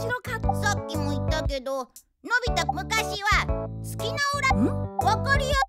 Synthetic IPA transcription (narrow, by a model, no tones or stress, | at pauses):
iɾokasokʲːimo̞it̪ːake̞d̪o̞ | no̞bʲit̪amɯ̟kaɕiβat͡sɨ̥kʲinaoɾaβokoɾʲijo